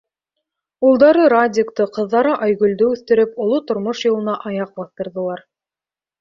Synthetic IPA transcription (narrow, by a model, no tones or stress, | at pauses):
ulˠd̪ɑɾɤɾadʲɪkt̪ɤqɤ̆ðːɑɾɤʔɑjɡɵ̆ld̪ɵʉθt̪ɘ̆ɾɘpŏlˠot̪ŏɾmoʃjɤ̆lˠɤ̆nɑʔɑjɑq̚bɑθt̪ɤ̆ɾðɤ̆lˠɑɾ